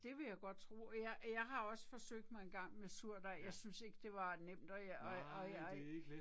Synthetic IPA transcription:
d̥e̝ʋe̝jɑ̈ɪɡ̥ɒ̽d̥̚t͡sʰʁṵːjɑjɑ̈ɪɦɑ̈ɒ̽səfɒ̽søɡ̥̚d̥mɑ̈ɪenɡ̥ɑ̈ŋ̰mesuɐ̰d̥æjɑ̈ɪsynse̝ɡ̥əd̥e̝ʋɑ̈nem̰d̥ɒɒ

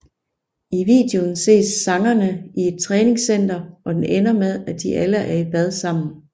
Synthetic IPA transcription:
iʋḭːd̥eo̝nse̝̰ːsːɑ̈ŋɐnəie̝d̥̚t͡sʰʁɛːne̝ŋsen̰d̥ɐɒ̽d̥enʔenɐmeðˠæd̥iʔæləʔæɐib̥æð̞ˠsɑ̈m̰n̩n̩

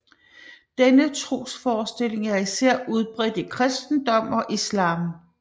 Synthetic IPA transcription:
d̥enət͡sʰʁo̝̰ːsfɒːsd̥e̝le̝ŋæɐisæɐ̰ʔuð̞ˠb̥ʁɛd̥ikʰʁɛsd̥n̩d̥ɒ̽m̰ɒ̽ʔislɑ̈ːm

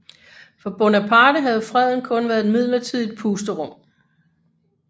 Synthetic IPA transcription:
fɒ̽b̥ɔnæpʰɑ̈ːɾ̥əɦæðˠfʁɛð̰ˠn̩kʰɔ̽nʋæːɐð̩ˠedmið̞̰ˠlɐt͡sʰiðˠid̥̚pʰuːsd̥əʁɔ̽m̰

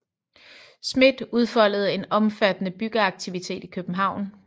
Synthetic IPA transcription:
smed̥uð̞ˠfɒ̽l̰ð̞̩ˠe̝nɒ̽mfæd̥ənəb̥yɡ̥əɑ̈ɡ̥̚t͡sʰiʋit͡sʰe̝̰ːd̥ikʰøb̥m̩ɦɑ̈ʊ̰n

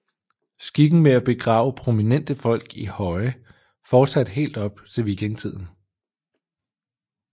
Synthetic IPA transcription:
sɡ̥iɡ̥n̩meæb̥e̝ɡ̥ʁɑ̰̈ːʊəpʰʁo̝minen̰d̥əfɒ̽l̰ɡ̥ihɒ̽ɪ | fɒːd̥sæd̥ɦe̝̰ːld̥ɒ̽b̥t͡sʰe̝lʋikʰent͡sʰið̰ˠn̩

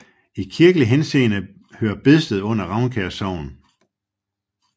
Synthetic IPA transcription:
ikʰiɐɡ̥əliɦense̝̰ːnə | høːɐb̥e̝ðˠsd̥ð̞̩ˠɔ̽n̰ɐʁɑ̈ʊnkʰæɐsɑʊ̰n̩

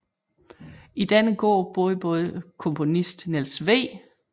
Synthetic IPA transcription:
id̥ænəɡ̥ɔ̰ːb̥oːðˠəb̥ɔ̽ːð̞ˠəkʰɔ̽mpʰo̝nisd̥nelsʋḛː

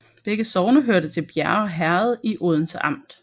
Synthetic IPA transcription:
b̥eɡ̥əsɒʊnəɦøɐ̰ɾət͡sʰe̝lb̥jæɐɒɦæɐð̞̩ˠiʔoð̞ˠn̩sɑ̈m̰d̥

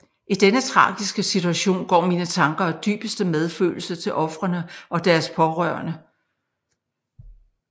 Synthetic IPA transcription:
ʔid̥enət͡sʰʁɑ̰̈ːɡ̥isɡ̥əsit͡sʰuæɕo̝̰ːnɡ̥ɒ̰ːmiːnət͡sʰɑ̈ŋɡ̥ɐɒd̥y̰ːb̥əsd̥əmeð̞ˠfø̰ːl̩sɐt͡sʰe̝lʔɒ̽fʁɐnəʔɒ̽d̥æɐspʰɒ̽ʁœ̰ɐnə

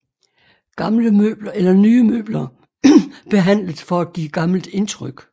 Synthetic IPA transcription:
ɡ̥ɑ̈mləmø̰ːb̥lɐʔelɐnyːmø̰ːb̥lɐ | b̥e̝ɦæn̰ləð̩ˠfɒ̽æ̥ɡ̥ḭːɡ̥ɑ̈ml̩d̥e̝nt͡sʰʁœɡ̥

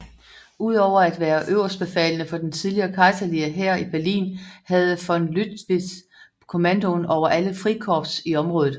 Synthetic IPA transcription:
uð̞̰ˠɒʊ̰ɐæd̥ʋæːɐʔøʊɐsb̥e̝fɛ̰ːlənəfɒ̽d̥ent͡sʰiðˠliɐːkʰɑ̈ɪsɐliɐɦæɐib̥æɐlḭːnhæð̞̩ˠəfɒ̽nlyd̥ʋi | kʰo̝mænd̥o̝nɒʊɐʔæləfʁikʰɒːb̥siɒ̽mʁɔ̽ːðð̩ˠ

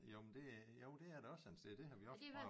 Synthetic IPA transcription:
jomend̥e̝joʊd̥e̝æɐɾ̥eɒ̽sænsd̥ed̥e̝ɦɑ̈ʋiɒs

